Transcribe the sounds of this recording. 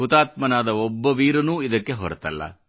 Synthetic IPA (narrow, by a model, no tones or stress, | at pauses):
ɦut̪aːt̪mɐnaːd̪ɐɔbːɐʋiːɾɐnuːid̪ɐkːe̞ɦɔɾɐt̪ɐ̰lːɐ̰